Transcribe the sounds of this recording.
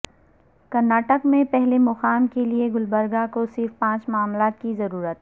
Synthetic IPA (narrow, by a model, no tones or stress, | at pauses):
kɐɾnaːʈəkmẽpɛɦlemʊxaːmkelieɡʊlbəɾɡakosɪɾfpãːt͡ʃmʊaːmlaːt̪kizɐɾuːɾət̪̚